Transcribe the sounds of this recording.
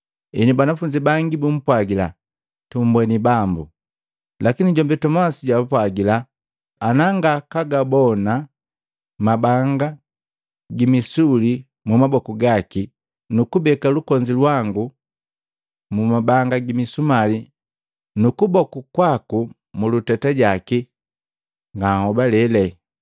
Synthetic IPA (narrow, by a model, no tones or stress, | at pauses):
inibanafuɲd͡ʒibaŋɡibum̩pwaɡila | tum̩bwɛnibambṵ | lakiniɟɔmbɛtɔmasiɟaapwaɡilaː | naŋɡakaɡabɔna | mabaŋɡa | ɡimisuli | mumabɔkuɡaki | nukubɛkalukɔɲd͡ʒilwaŋɡu | mumabaŋɡaɡimisumali | nukubɔkukwaku | mulutataɟaki | ŋɡahɔbalɛlɛ